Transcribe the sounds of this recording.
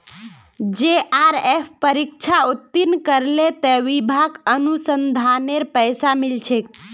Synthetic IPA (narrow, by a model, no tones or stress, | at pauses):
d͡ʒeʔaɾepʰpəɾik̚t͡ʃʰaut̪ːinkəɾlet̪əʋibʱaɡənusənd̪ʱaneɾpəjsamilt͡ʃʰek̚